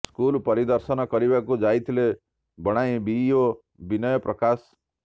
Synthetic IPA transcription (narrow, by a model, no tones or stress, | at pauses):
skulpɔɾid̪ɔɾsɔnɔkɔɾibakud͡ʒajt̪ʰile | bɔɽ̃ajbio | binɔjɔpɾɔkas